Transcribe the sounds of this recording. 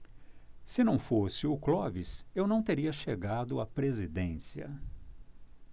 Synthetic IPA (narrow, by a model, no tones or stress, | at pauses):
sɪnɐ̃w̃fosɪʊklɔvɪsewnɐ̃w̃t̪eɾiɐʃeɡad̪ʊapɾezid̪ẽsiɐ̰